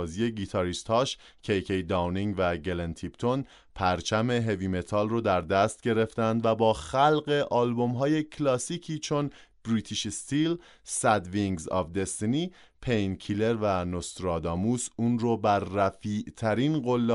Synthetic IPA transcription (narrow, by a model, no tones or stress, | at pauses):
zie̞ɡit̪ʰɒɾist̪hɒːʃ | cʰejkʰejd̪ɒwniŋvæɟelent̪ʰipt̪ʰo̞n | pʰæɾt͡ʃʰæme̞ɦe̞vime̞t̪ʰɒːlrod̪æɾd̪æst̪̚ɟe̞ɾe̞ft̪ænd̪væbɒːxælɢe̞ʔɒːlbo̞mɦɒːje̞cʰlɒːsicʰiːt͡ʃʰo̞n | b̥ɾiːt̪ʰiʃest̪il | sæd̪viŋɡzɒ̰vd̪e̞st̪ni | pʰejnkʰile̞ɾvænost̪ɾɒːd̪ɒːmusuːnrobæɾːæfiʔt̪ʰæɾinɢolːe